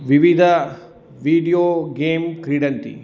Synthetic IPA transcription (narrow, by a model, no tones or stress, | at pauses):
ʋiʋid̪ʱɐ | ʋiːɖijoːɡeːmkɾiːɽɐnt̪ḭ